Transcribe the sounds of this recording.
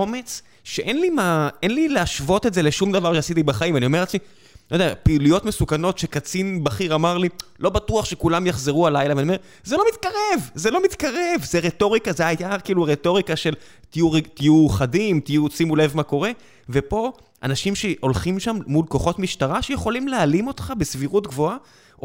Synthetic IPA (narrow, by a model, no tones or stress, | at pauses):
o̞me̞t͡s | ʃeʔenlimaenlileaʃvo̞t̪etze̞le̞ʃumd̪avaʁʃeasit̪ibaχaimanio̞me̞ʁet͡smi | ojd̪eapilujo̞t̪mesukano̞t̪ʃe̞kat͡sinbaχiʁamaʁlilo̞batuaχʃekulamjaχzeʁualajlaveaniome | zelo̞mit̪kaʁe̞vzelo̞mit̪kaʁe̞vzeʁeto̞ʁikazeajakiːluʁetoʁikaʃe̞l | t̪ijuʁt̪ijuχadimtijusimule̞vmako̞ʁe̞ | ve̞po̞ | ʔa̰naʃimʃeʔo̞lχimʃamːulko̞χo̞tmiʃtaʁaʃejeχo̞limlealimo̞t̪χabe̞sviʁutɡvo̞a